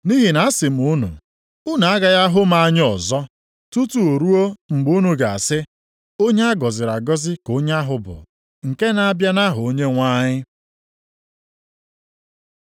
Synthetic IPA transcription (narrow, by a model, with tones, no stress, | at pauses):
ni˦ɦi˨na˨˦a˦sɪ˨m̩˨u˦nṵ˨ | ʊ˦na˨a˦ɡa˨ja˦ɦʊ˦m̩˦a˦˨ɲ˦ɔ˨zɔ˦ | tu˦tu˨o˨ɾu˦o˦ŋ͡m̩˨ɡ͡bu˦nu˨ɡa˨a̰˨sɪ˦ | o˦ɲe˦a˦ɡɔ˨zɪ˨ɾa˨ɡɔ˦zɪ˦ko˦ɲ˦a˦ɦʊ˨bʊ̰˨ | ŋ̩˨ke˦na˨a˦bja˦na˦ɦʊ˨o˦ɲe˦ŋʷa˦ɲɪ˦